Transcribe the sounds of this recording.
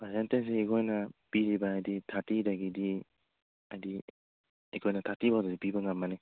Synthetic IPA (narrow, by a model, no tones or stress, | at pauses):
pazentensiːkʰɔjnapiɾibaːjditʰatidaɡidi | ajdi | ikʰɔjnɐtʰatibawdadipibaŋamːane